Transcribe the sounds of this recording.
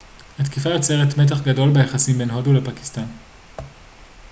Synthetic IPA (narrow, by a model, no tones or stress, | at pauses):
hat̪kifaot͡seʁetmet̬aχɡado̞lbejaχasimbe̞nɦo̞dulepaki̥stan